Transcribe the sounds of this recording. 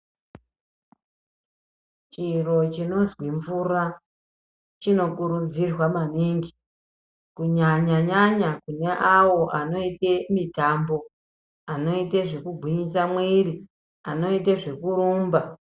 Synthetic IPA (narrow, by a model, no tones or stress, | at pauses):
t͡ʃiro̞t͡ʃino̞zwiɱvura | t͡ʃino̞kuɾud͡zirwamaneŋɡi | kuɲaɲaɲaɲakune̞ʔawo̞ʔano̞itemitambo̞ | ano̞iteʐe̞kuɡʱwiɲisamweri | ano̞iteʐe̞kuɾuːmba